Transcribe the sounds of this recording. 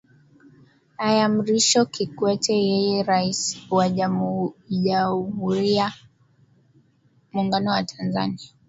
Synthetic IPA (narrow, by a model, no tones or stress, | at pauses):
ajam̩ɾiʃɔkikwɛtʰɛjɛjɛɾaisi̥waʄamuʄahuɾia | muːŋɡanɔwatʰanza̰nia